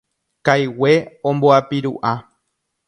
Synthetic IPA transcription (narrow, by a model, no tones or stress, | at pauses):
kajweõmboapiɾṵʔa